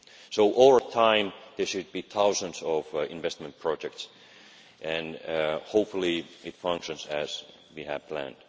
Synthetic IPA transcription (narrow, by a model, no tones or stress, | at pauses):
soʊʔɔlˠɹətʰãɪ̃mðə˞ʃɨd̚biθaʊzə̃nzʌvɪ̰̃ɱvɛst̚mə̃npʰɹ̥ɑd͡ʒɛk̚ts | ʔɨ̃nhoʊpfl̩ˠiɪtfʌ̃ŋkʃɨ̃nzɨz̥ | wiɨv̥pʰl̥æ̰̃nd̥